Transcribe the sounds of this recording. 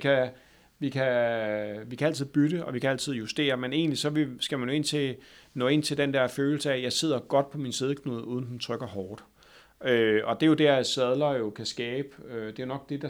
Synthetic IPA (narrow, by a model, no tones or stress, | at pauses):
kʰæ | ʋikʰæ | ʋikʰææl̰t͡sʰið̞̩̰ˠb̥yd̥əʔɒ̽ʋikʰææl̰t͡sʰið̞̰ˠjusd̥e̝̰ːɐmene̝̰ːnlisɒ̽ʋe̝sɡ̥æmænjo̝e̝n̰t͡sʰe̝nɔ̰̽ːe̝n̰t͡sʰe̝ld̥end̥æɐføːl̩səæjɑ̈ɪse̝ð̰ˠɐɡ̥ɒ̽d̥̚pʰɒ̽minse̝ð̞ˠəkʰnuðˠuːð̞ˠn̩d̥en̩t͡sʰʁœɡ̥ɐhɒːd̥ | øɒ̽d̥e̝jo̝dæɐæsɛð̞ˠlɐjo̝kʰæsɡ̥ɛːb̥ød̥e̝jo̝nɒ̽ɡ̥̚d̥e̝d̥ɑ̈